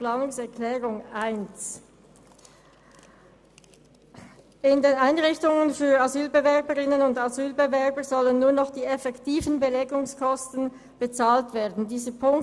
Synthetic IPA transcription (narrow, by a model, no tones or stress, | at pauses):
plaːnʊŋsɛɐklɛːʁʊŋʔaɪns | ɪndeːnaɪnʁɪçtʊŋənfyːɐazyːlbəvɛɐbəʁɪnənʊndazyːlbevɛɐbəzɔlənːuːɐnɔχd̥iːɛfɛktʰiːvənbəlɛɡʊŋskʰɔstn̩ | b̥ət͡saːltv̥eːɐdn̩diːzəpʰʊŋk